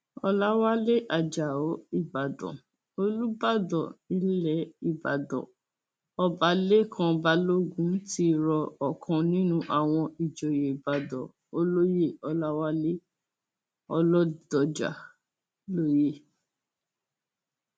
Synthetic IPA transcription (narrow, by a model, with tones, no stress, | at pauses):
ɔ˧la˦wa˦le˦ʔa˨d͡ʒa˨o˨˦i˦˨ba˨dɔ̰̃˨ | o˧lu˦ba˦˨dɔ˨nĩ˨˦lɛ˦i˨ba̰˨dɔ̰̃˨ | ɔ˦ba˨˦le˦kʰã˧ba˦lo˦ɡũ˦n̩˦ti˧˦ɾɔ˧ɔ˨kʰã˧nĩ˦nũ˦ʔa˨w̃ɔ̃˧i˨d͡ʒɔ˨je˨i˨ba˨dɔ̰̃˨ | o˦lo˦je˦˨ɔ˧la˦wa˦le˦ | ɔ˧lɔ˦d̥ɔ˨d͡ʒa̰˨ | lo˦je˦